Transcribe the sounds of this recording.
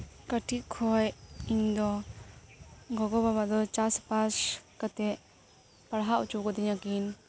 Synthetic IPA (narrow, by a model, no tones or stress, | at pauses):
kaʈʰikʰɔjiŋd̪ɔ | ɡɔɡɔbabad̪ɔt͡ʃaspaskat̪ɛ | paɾɦaʔwt͡ʃukɔd̪iɲakin